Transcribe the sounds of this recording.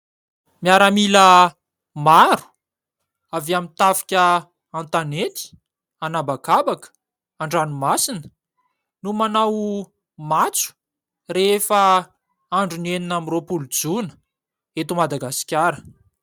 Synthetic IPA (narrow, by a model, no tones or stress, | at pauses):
miaɾəmilə | maɾu̥ | avamint̪afi̥kʲə | ant̪anet̪i̥ | anabakabakə̥ | aɳɖ͡ʐanumasinə̥ | numanaw | mat͡su̥ | refə | aɳɖ͡ʐuneninamropulud͡zunə̥ | et̪umad̪aɡasi̥kʲaɾə